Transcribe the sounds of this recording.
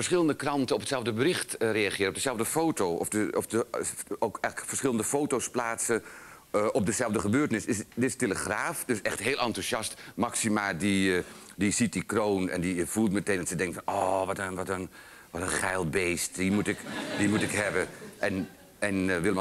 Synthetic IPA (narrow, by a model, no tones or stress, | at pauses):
fəɹsχɪlˠəndəkrɑntəɔpətsɛlˠvdəbərɪxtreaχɪːɾɔp̚dəzɛlˠvdəfowtoʔɔ̰fdəɔfdəokɛjləfəɹsχɪlˠəndəfoːtosplaːtsə | ʔɔp̚dəzɛlˠvdəχəbøːrtənɪsɪsdɪtɪsteləχraːfdøsɛχtɦeːlˠɑntusjɑstmɑksimaːdidizit̚dikrownɛ̰ndiv̥ulˠtmətendɔtsədɛŋktfɑnɔːʋɔtənʋɔtən | ʋɔtənχɛjlˠbejstdimutɪkdimutɪkɦɛbəʔɛn | ɛnʋɪlˠəm